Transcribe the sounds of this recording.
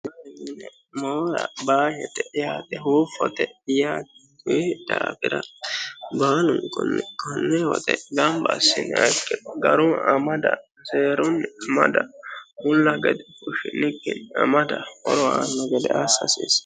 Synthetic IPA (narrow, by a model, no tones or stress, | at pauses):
ɐɛnɪnɛ | moːɾɐ̰baːjɛt̪ɛjaːt̪ɛɦuːfɔt̪ɛjaːt̪ɛkʊjd̪̥aːbɪd̪ɐ | baːnʊŋkɔnːɛkɔnːɛwɔ̰t̪ɛɡɐmbɐsːɪnɐ̰kʼːɛɡɐɾuɐmɐd̪ɐ | seːɾʊnːɐmɐd̪ɐmʊlːɐɡɛd̪ɛkʊʃɪnɪkːɪnɐ̰mɐd̪ɐɔɾɔa̰ːnːɐɡɛd̪ɛʔasɐsḭːs